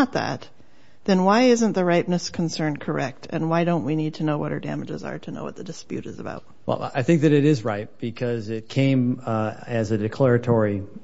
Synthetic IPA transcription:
ət̪̚ðæ̰t̪̚ | ðɨ̃nwaɪɪzɨ̃nðɨɹaɪp̚nɨskʰn̩sɜ̃˞nkʰə˞ɛk̚tʰɨ̰̃nwaɪɾõʊ̃nʔ̚winid̚tʰɨnoʊwʌɾə̰˞dæ̰mɨd͡ʒɨ̰zə̰˞ɾɨno̰ʊwʌt̪̚ðɨdɨspjʉ̰ɾɨzəba̰ʊt̚wɛ̰lˠaɪθɪ̃ŋk̚ðɨɾɨɾɪzɹaɪt̚b̥ɨkʰʌzɪt̚kʰẽɪ̃mɨzɨdɨkʰl̥ɛɹɨtʰɔɹi

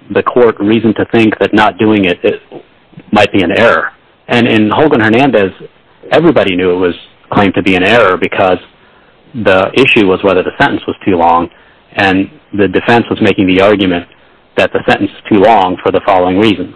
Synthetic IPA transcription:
ðɨkʰɔɹt̚ɹizn̩tʰɨθɪ̃ŋk̚ðɨtⁿnət̚d̥ʉɪ̃ŋɪɾɪt̚ | maɪt̚b̥iɨ̃nɛɹə˞ | ʔɨ̃nɪ̃nhoʊlˠɡə̃nhə˞næ̃ndɨz | ɛvɹibɑɾinjʉɨt̚wʌz̥ | kʰl̥ẽɪ̃mtʰɨbiɨ̃ñɛɹə˞bɨkʰʌz | ðiʔɪʃʉwʌzwɛðə˞ðɨsɛ̃ɾ̃ʔn̩swʌz̥tʰʉlɔ̃ŋ | ʔɨ̃n | ðɨdɨfɛ̃nswʌzmeɪkɪ̃ŋðiɑɹɡjɨmɨ̃n | ðɨt̪̚ðɨsɛ̃ɾ̃ʔn̩sɨz̥tʰʉlɔ̃ŋfə˞ðəfɑlˠoʊɪ̃ŋɹizɨ̃n̩

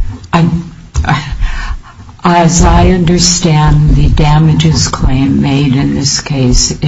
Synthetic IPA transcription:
ɨzaɪʌ̃ndə˞stæ̃nðɨdæmɨd͡ʒɨz̥kʰl̥ẽɪ̃mːeɪɾɨ̃nðɪskʰeɪs

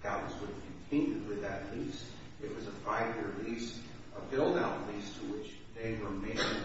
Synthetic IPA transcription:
kʰaʊəzwəɾ̥kʰɨ̃n̩tʰɪ̃nɨd̚wɨðɨtˡlis | ɨt̚wʌzəfaɪvjɪɹlis | əbɪlˠdaʊtlistʰəwɪt͡ʃ | ðeɪɹəmẽɪ̃n

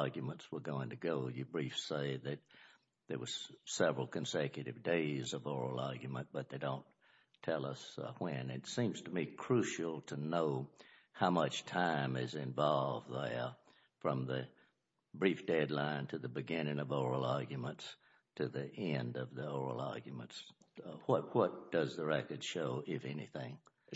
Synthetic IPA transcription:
ɑɹɡjɨmə̃ntswə˞ɡoʊɪ̃ŋtʰɨɡoʊjɨbɹifseɪðɨt̪̚ | ðə˞wʌz̥sɛvɹl̩ˠkʰɨ̃nsɛkjɨɾɨvdeɪzʌvɔɹl̩ˠɑɹɡjɨmə̃nb̥ʌt̪̚ðeɪdõʊ̃n | tʰɛlˠʌswɨ̃nɪtsĩmz̥tʰəmikʰɹ̥ʉʃl̩ˠtʰɨnoʊhaʊmʌt͡ʃtʰãɪ̃mɪzɪ̃ɱvɑlˠvð | fɹʌ̃mðɨ | bɹifd̥ɛdˡlãɪ̃ntʰɨðɨbɨɡɪ̃nɪ̃ŋʌvɔɹl̩ˠɑɹɡjɨmə̃nts | tʰɨðiʔɛ̃ndʌvðiɔɹl̩ˠɑ̰ɹɡjɨmə̃nts | wʌt̚wʌt̚d̥ʌzðəɹɛkə˞d̥ʃoʊʔɪfɛnḭθɪ̃ŋ

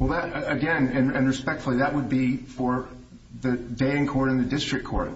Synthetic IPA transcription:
wɛlˠðəɾɨɡɛ̃nɨ̃nɨ̃nɹɨspɛk̚tfl̩ˠiðəʔ̚wəd̚bifə˞ | ðɨdeɪɨ̃ŋkʰɔɹɾɨ̃nðɨdɪstɹ̥ɨkʰɔɹt̚

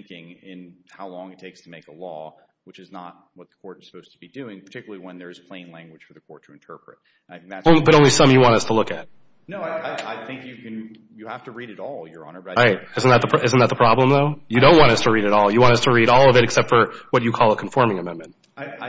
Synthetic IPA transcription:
ŋkɪ̃ŋɪ̃nhaʊlɔ̃ŋɨtʰeɪkstʰəmeɪkəlɔ̰ | wɨt͡ʃɨznə̰t̚wʌt̪̚ðə̥kʰɔɹɾz̥sə̥poʊz̥tʰəbidʉɪ̃ŋpʰə˞tʰɪkjl̩ˠiwə̃nðə˞ɨz̥pʰl̥ẽɪ̃nlæ̃ŋɡwɨd̥fə˞ðɨkʰɔɹtʰɨɨ̃ntʰɜ˞pɹɨt | naɪθɪ̃ŋk̚ðæõʊ̃nibʌɾõʊnlisʌ̃mjɨwɑ̃ntʌstʰəlʊkɨt̚ | noʊaɪaɪaɪθɪ̃ŋkjɨkɨ̃n | jɨhæftɨɹiɾɨɾɔlˠjə˞ɑ̰̃nə˞bʌaɪɹaɪt̚ɪzn̩ðət̪̚ðəpʰɪzn̩ðət̪̚ðəpʰɹ̥ɑblə̃mðoʊjɨɾõʊ̃nʔ̚wɑ̃ñʌstʰəɹiɾɨɾɔlˠjɨwɑ̃ɾtʌstʰəɹiɾɔlˠʌvɨɾɨksɛp̚tfə˞wʌt͡ʃɨkʰɔlˠəkʰɱfɔɹmɪ̃ŋɨmɛ̃nmɨ̃n̩t̚ | ɪ

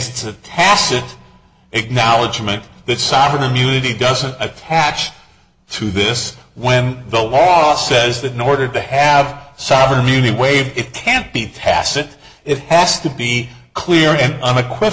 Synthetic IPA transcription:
zɨtsɨtʰæsɨɾ | ɨk̚nɑlˠəd͡ʒmɨ̃nðɨtsɑvɹə̃nɨmjʉnɨɾidʌzɨ̃ntɨtʰæt͡ʃ | tʰɨðɪswɨ̃nðəlɔsɛzðɨɾ̃nɔɹɾə˞ɾɨɨv̥sɑvɹə̃nɨmjʉnɨɾiweɪvdɨt̚kʰæ̃nb̥itʰæ̰sɨɾ | ɨt̚hɨz̥tɨbi | kʰl̥ɪɹɨ̃nʌ̃nɨkʰw̥ɪ

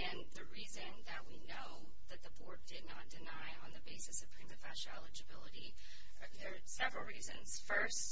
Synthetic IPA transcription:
ɨ̃nðɨɹizɨ̃nðɨt̚winoʊ | ðɨt̪̚ðəbɔɹt̚d̥ɨdⁿnət̚d̥ɨnaɪə̃nðɨbeɪsɨsʌv̥pʰɹ̥ĩmɨfæ̰ʃɛ̰lˠɨd͡ʒɨbɪlˠəɾi | ðə˞ | sɛvɹl̩ˠɹizɨ̰̃nz̥fɜ˞st

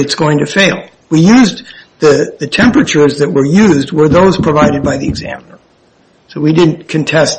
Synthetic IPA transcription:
ɨtsɡ̥oʊɪ̃ŋtʰɨfeɪlˠ | wijʉzðɨðɨtʰɛ̃mpɹɨt͡ʃə˞zðɨʔ̚wə˞jʉzd̚wə˞ðoʊz̥pʰɹ̥əvaɪɾɨd̚baɪðiɨɡzæ̰mənə˞ | soʊwidɪdⁿn̩kʰɨ̃ntʰɛs

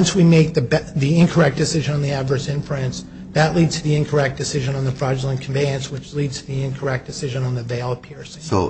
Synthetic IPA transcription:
nswimeɪk̚ðɨbðiɪ̃nkʰə˞ɛk̚d̥ɨsɪʒɨ̃nə̃nðiædvə˞sɪ̃nfɹæ̃ns | ðɨʔˡlidz̥tʰɨðiɨ̃nkʰə˞ɛk̚d̥ɨsɪʒɨ̃nə̃nðəfɹɑd͡ʒlˠə̃nkʰmbẽɪɨ̃nswɨt͡ʃlidz̥tʰɨðiɪ̃nkʰə˞ɛk̚d̥ɨsɪʒɨ̃nə̃nðɨveɪlˠpʰɪɹsɪ̃oʊ

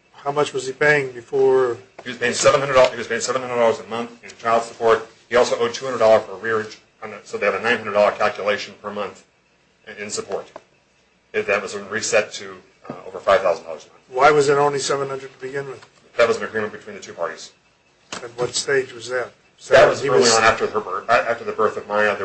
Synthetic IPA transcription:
haʊmʌt͡ʃwʌz̥ipʰeɪɪ̃ŋbɨfɔɹhiwʌz̥pʰeɪɪ̃ŋsɛṽnhʌ̃ndə˞dˠiwʌzpʰeɪɪ̃ŋsɛvnhʌ̃ndɹə˞dɔlˠə˞zɨ̃nmʌ̃nθzt͡ʃʰaɪlˠd̥səpʰɔɹt̚ | hiɔlˠsoʊʔoʊd̚tʰʉ̥uhʌ̃nə˞dɔlˠə˞fʰə˞ɹɪɹ | nsoʊðeɪɨɾɨnãɪ̃nɦʌ̃ndə˞dɔlˠə˞kʰælˠkjəleɪʃn̩pʰə˞mʌ̃nθ | ɪ̃nsɨpʰɔɹɾ | ɨðɨt̚wʌz̃n̩ɹisɛtʰɨ | o̰ʊvə˞faɪv̥θaʊzn̩d̰lˠə˞znmʌ̃nθwaɪwʌzɨɾõʊ̃nlisɛvə̃nhʌ̃ndɹəd̚tʰəbɨɡɪ̃nwɨð̥ | ðɨt̚wʌz̃n̩ɨɡɹĩmɨ̃nb̥ɨtʰw̥ĩnðɨtʰʉpʰɑɹɾḭz̥ | ɨt̚wʌtsteɪd͡ʒwʌzðɨt̚ | ðɨt̚wʌzilˠiə̃næftə˞əbæftə˞ðɨbɜ˞θʌvmaɪɨðə

